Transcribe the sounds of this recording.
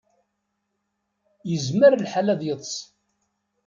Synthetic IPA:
jəzməɾlħalæðjəðˤsˤ

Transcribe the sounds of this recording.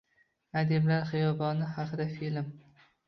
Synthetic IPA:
ad̪emlaɾχɨjɒbɒnɪhaqʰɨd̪afilm

